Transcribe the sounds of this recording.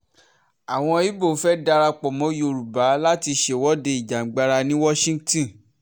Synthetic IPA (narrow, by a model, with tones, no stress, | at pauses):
a˨w̃ɔ̃˧i˦bo˦˨˦fɛ˦da˧ɾa˧k͡pɔ˨mɔ̃˨˦jo˧˨ɾu˨ba˨˦la˦ti˧ʃe˨wɔ˦de˧i˨d͡ʒa˨˦ɡ͡ba˧ɾa˧nĩ˦wɔ˦ʃĩ˦tĩ˨